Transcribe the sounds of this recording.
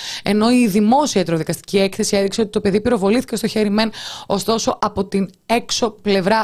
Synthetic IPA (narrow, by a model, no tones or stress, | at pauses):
e̞̰no̞iðimo̞siɐit̪ɾoðikɐst̪i̥cie̞kθe̞sie̞ðikseo̞t̪i̥t̪o̞pe̞ðipiɾo̞vo̞liθi̥cest̪oçe̞ɾime̞no̞st̪o̞so̞ʔɐpo̞t̪in | e̞kso̞ple̞vɾɐ